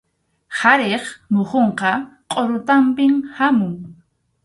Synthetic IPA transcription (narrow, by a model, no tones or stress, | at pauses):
haɾeχmoχoɴqɑqʼoɾʊt̪ampɪmhamʊŋ